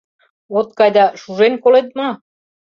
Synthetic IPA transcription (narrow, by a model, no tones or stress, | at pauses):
ot̪̚kɑjd̪ɑʃuʒenkolet̪̚mɑ